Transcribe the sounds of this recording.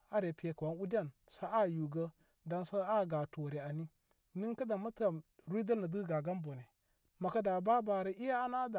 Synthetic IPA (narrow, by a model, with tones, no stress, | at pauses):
a˦ɾe˨pi˨e˨ka˨wa˦nu˦di˦a˦˨n | sa˦a˦˨ju˨ɡə˦ | da˦nsa˦a˦˨ɡa˨to˨ɾe˨a˨ni˦ | mi˦n˦ka˦da˨ma˦ta˨ | ɾi˦da˦lna˨di˦ɡa˨ɡa˦mbo˨ne˨ | ma˨ka˦da˨ba˦ba˨ɾe˦ʔi˦ja˦a˦na˦da˨